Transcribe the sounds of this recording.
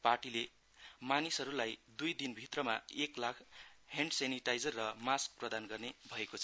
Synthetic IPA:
parʈile | manisʌɾulajd̪ujd̪inbʱit̪rʌmaeklakʰheɳɖseniʈajd͡zʌrːʌmask̚prʌd̪anɡʌrnebʱʌekot͡sʰʌ

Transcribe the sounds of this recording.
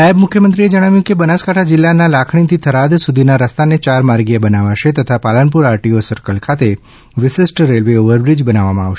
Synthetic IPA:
aəbmʊkʰjəmənt̪ɾied͡ʒəɽ̃aʋjũkebənaskaʈʰad͡ʒɪlːanalakʰɳ̃it̪ʰit̪ʰəɾad̪sud̪ʱinaɾəst̪anet͡ʃaɾmaɾɡijabənaʋaʃet̪ət̪ʰapalənp̬uɾaɾʈiosəɾkəlkʰat̪e | ʋɪʃɪsʈɾelʋeoʋəɾbɾid͡ʒbənaʋamãaʋʃ

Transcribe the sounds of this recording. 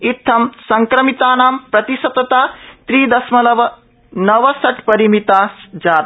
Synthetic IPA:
it̪ʰːɐmsɐŋkɾɐmit̪aːnaːmpɾɐt̪isɐt̪ːɐt̪aːt̪ɾiːd̪ɐsmɐlɐʋɐ | nɐʋɐsɐʈpɐɾimit̪aːsd͡ʒaːt̪

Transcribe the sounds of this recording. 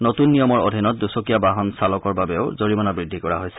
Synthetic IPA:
notunːijɔmɔɹo̰dʱinɔt̚dusokijabaɦɔnsalɔkɔɹbabɛʊzoɹimɔnabɹidʱːikɔɹaɦojsɛ̥

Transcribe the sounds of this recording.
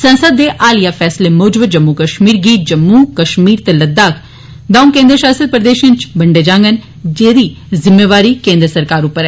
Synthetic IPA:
sənsəd̪ːeːʔaːlijaːpʰɛːsleːmoːd͡ʒbəd͡ʒəmːukəʃmiːɾɡiːt̪̚d͡ʒəmːuːkəʃmiːɾt̪eləd̪ːaːkʰ | d̪ãːũkẽːnd̪ɾəʃaːsəd̪̚pɾəd̪eːʃənt͡ʃbəɳɖeːd͡ʒãːŋɡən | d͡ʒeːd̪iː | zɪmːeːʋaːɾiːkẽːnd̪ɾəsəɾkaːɾʊpːəɾɛː

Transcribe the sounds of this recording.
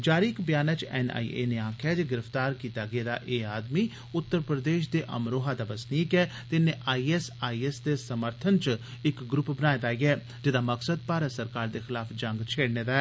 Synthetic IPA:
d͡ʒaːɾiɪkbɪjaːnət͡ʃɛ̰ːna̰ːḭːḛːneːãːkʰɛːd͡ʒɡɪɾəft̪aːɾkiːt̪aːɡɪeːd̪a̰ːʔeːaːd̪miː | ʊt̪ːəɾpɾəd̪eːʃd̪eːʔə̰mɾoːɦaːd̪aːbəsniːkɛːt̪ɪneːʔaːiːɛsaːiːɛsd̪eːsəməɾt̪ʰənt͡ʃ | ɪkɡɾʊpbənaːet̪aːiːɡɛː | d͡ʒɪd̪aːməksəd̪̚paːɾəsəɾkaːɾd̪eːxɪlaːfʰd͡ʒə̃ŋɡt͡ʃʰeːɽneːd̪aːɛː

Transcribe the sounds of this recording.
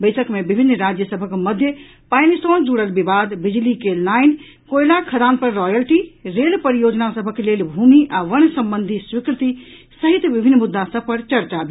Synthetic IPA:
bəɪsəkmebibʱinːɾad͡ʒjəsəbʱəkməd̪ʱjə | pajnisɔ̃nd͡ʒuɽəlbibad̪bid͡ʒlikenaɪn | kojlakʰəd̪anpəɾːɔjəlʈiɾelpəɾijod͡ʒnasəbʱəklelbʱumiʔaʋəɳ̃səmbənd̪ʱiswikɾt̪i | səɦit̪bibʱinːmud̪ːasəb̚ʱpəɾt͡ʃəɾt͡ʃabe

